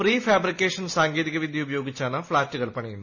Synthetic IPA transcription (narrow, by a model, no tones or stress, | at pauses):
priːfjaːbrikʲːeːʂɐnsaːŋɡeːðiɣɐʋid̪ʱjɐubɐjo̞ːɡit͡ɕːaːɳɨfɭaːtːuɣɐɭpɐɳɐjunːu